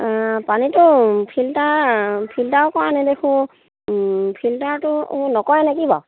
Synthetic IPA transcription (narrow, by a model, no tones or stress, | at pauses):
panitʊpʰiltaɹpʰiltawkɔɹanɛdexũ | pʰiltaɹtʊnɔkɔɹɛnakibɔ